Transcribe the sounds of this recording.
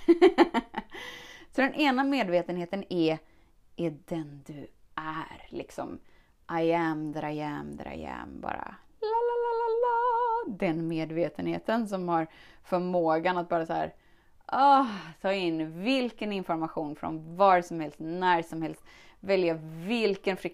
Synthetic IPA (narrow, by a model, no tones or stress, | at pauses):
sɔd̪ɛnʔeːnameːd̪veːt̪ənheːt̪ənɛ | ʔɛd̪ɛnd̪ɵʔæɾlɪ̰ksɔ̰m | ʔajɛmd̪ɾaɛmd̪ɾa̰jɛ̰mbɑ̰ːɾa̰ | lalalalalad̪ɛnmeːd̪veːt̪ənhḛːt̪əns̬ɔmhaɾ | fœɾmoːɡanat̪̚bɑːɾasahæ̰ːɾ | ʔɑːt̪ʰɑːɪnːvɪlkənɪnfɔɾmaɧuːnfɾɔ̰nvɑɾsɔmhɛlst̪næɾʂɔmhɛlst̪ | vɛljavɪlkənfɾɪ